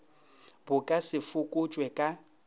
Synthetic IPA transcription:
bʊkʼasɪfʊkʼʊt͡ʃʼwɛkʼa

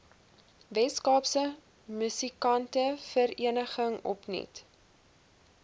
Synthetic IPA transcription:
vɛskɑːpsə | mysikɐntəfəɾiənəχəŋɔ̰pnḭt

